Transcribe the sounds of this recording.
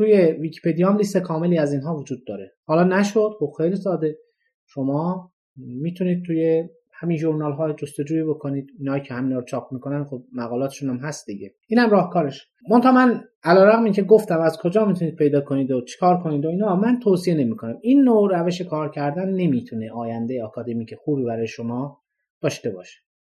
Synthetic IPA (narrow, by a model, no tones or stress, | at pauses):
t̪ʰuːje̞viːcʰi̥pʰed̪ijɒmliːst̪ekʰɒːme̞liːæziːnɦɒːvod͡ʒuːd̪ːɒːɾehɒːlɒːnæʃod̪̥xobxejliːsɒːd̪e̞ | ʃomɒː | miːt̪ʰuniːd̪̚t̪ʰuːje | hæminʒuɾnɒːlɦɒːjd͡ʒost̪o̞d͡ʒuːiːbo̞kʰoniːd̪iːnhɒːjicʰehæminɒːɾot͡ʃʰɒːpʰmiːko̞nænxob̚mæɣɒːlɒːt̪e̥ʃunæmɦæst̪d̪iɟeʔiːnhæmɾɒːhkʰɒːɾeʃ | mont̪ʰɒːmæn | ælɒːɾæɣmiŋcʰe̞ɡo̞ft̪æmæzkʰo̞d͡ʒɒːmit̪ʰuniːd̪̚pʰe̞jd̪ɒːkʰoniːd̪ot͡ʃʰe̥kʰɒːɾkʰo̞niːd̪oiːnhɒːmænt̪ʰoːsie̞ne̞miːkʰonæmiːnːoɾæve̞ʃe̞kʰɒːɾcʰæɾd̪ænːe̞miːt̪ʰune̞ʔɒːjænd̪ejeɑkʰɒd̪e̞miːkʰexuːbiːbæɾɒːjeʃo̞mɒː | d̪̥ɒːʃt̪e̞bɒ̰ːʃe̥